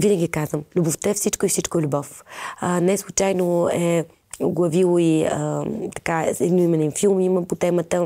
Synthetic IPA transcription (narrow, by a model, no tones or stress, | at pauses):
vinəɡʲikazvəmlʲuboft̪ɛfsit͡ʃkoifsit͡ʃkoɛlʲubɔfənɛslˠut͡ʃajnoɛ | oɡlˠɐvilˠoiət̪ɐ̥kaɛd̪noimɛnɛnfilˠmiməmpot̪ɛmət̪ə